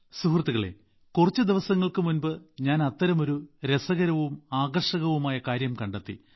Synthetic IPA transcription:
suhrɐt̪ːuɣɐɭḛ | kurɐt͡ɕːɨd̪iʋɐsɐŋːɐɭkɨmunbɨɲaːnɐt̪ːɐɾɐmo̞ɾuɾesɐɣɐɾɐʋumaːɣɐrʂɐɣɐʋumaːjɐkaːɾjɐmkɐɳɖɐt̪ːḭ

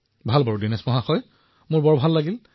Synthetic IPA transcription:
bʱalbaɹudinɛsmɔɦaxɔj | mʊɹbɔɹbʱalːaɡil

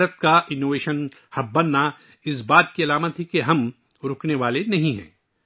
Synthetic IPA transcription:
ɾət̪̚kaʔɪnːoːʋeːʃən | hɐb̚bɐnːa | ɪs̬baːt̪kiɐlaːmət̪ʰikeɦɐm | ɾʊkʰneʋaːlenɐɦĩɦɛ̰̃ː

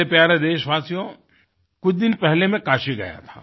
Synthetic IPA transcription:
epjaːɾed̪eːʃʋaːsijõ | kʊt͡ʃʰd̪ɪnpɛɦlemẽkaːʃiɡɐ̰ja̰t̪ʰa̰ː

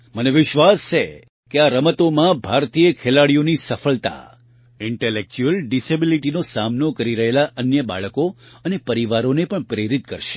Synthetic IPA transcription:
məneʋɪʃʋast͡ʃʰe | keaɾəmət̪omãbʱaɾt̪ijəkʰelaɭijonisəfəlt̪a̰ | ɪɳʈelek̚t͡ʃuəlɖisebiliʈinosamnokəɾiɾəɦelaʔənjəba̰ɭəkoənepəɾiʋaɾonepəɳpɾeɾit̪̚kə̰ɾʃe̥

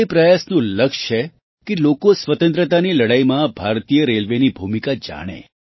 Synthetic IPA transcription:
epɾəjasnũləkʃt͡ʃʰe | kelokosʋət̪ə̃nt̪ɾət̪aniləɽajmãbʱaɾt̪ijəɾelʋenibʱumikad͡ʒa̰ɽ̃ḛ

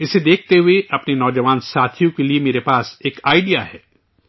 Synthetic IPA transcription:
ɪsed̪eːk̚ʰt̪eɦʊeɐpnenɔːd͡ʒɐʋaːnsaːt̪ʰijõkeliemeːɾepaːseːkaːɪɖijaɦɛː

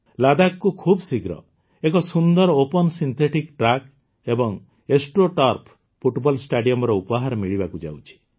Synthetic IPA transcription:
lad̪akkːukʰubsiɡɾɔ̰ | ekɔsund̪ɔɾopɔnsint̪ʰeʈikʈɾak | ebɔŋ | esʈɾoʈɔɾpʰ | pʰuʈbɔlsʈaɖijɔmɔɾɔupɔɦaɾɔmiɭibakud͡ʒa̰wt͡ʃʰi̥

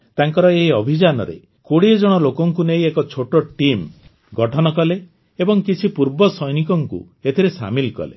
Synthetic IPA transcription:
t̪aŋkɔɾɔeɦiɔbʱid͡ʒanɔ̰ɾḛ | koɽied͡ʒɔɽ̃ɔlokɔŋkunejekɔt͡ʃʰoʈɔʈim | ɡɔʈʰɔnɔkɔle | ebɔŋkit͡ʃʰipuɾbɔsɔjnikɔŋkṵ | et̪ʰiɾesa̰milkɔ̰lḛ

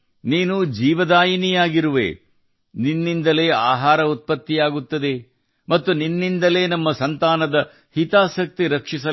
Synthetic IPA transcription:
niːnud͡ʒiːʋɐd̪aːjinijaːɡiɾuʋḛː | ninːind̪ɐle̞ːa̰ːɦaːɾɐut̪̚pɐt̪ːijaːɡut̪ːɐd̪e̞ | mɐt̪ːuninːind̪ɐle̞ːnɐmːɐsɐnt̪aːnɐd̪ɐ | hit̪aːsɐk̚t̪iɾɐkʂisɐ

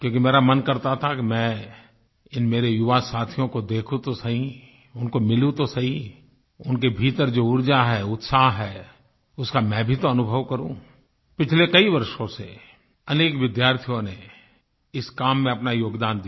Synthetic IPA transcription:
kjõːkimeːɾamɐnkɐɾt̪at̪ʰakimɛ̃ | ɪnmeːɾejʊʋasaːt̪ʰjõkod̪eːkʰũt̪osɐɦĩ | ʊnkomɪlũt̪osɐɦĩ | ʊnkebʱiːt̪əɾd͡ʒoːʊɾd͡ʒaɦɛʊt̪saːɦɦɛː | ʊskamɛ̃bʱit̪oɐnʊbʱəʋkɐɾũ | pɪt͡ʃʰlekɐiʋɐɾʃõse | ɐneːkʋɪd̪jaːɾt̪ʰijõne | ɪskaːmːẽɐpnajoːɡd̪aːnd̪i

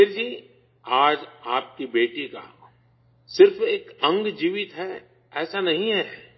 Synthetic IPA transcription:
eɾd͡ʒiː | aːd͡ʒaːp̚kibeːʈika̰ | sɪɾfeːkɐ̃ŋɡd͡ʒiːʋɪt̪ɦɛ | ɛːsanɐɦĩɦɛː

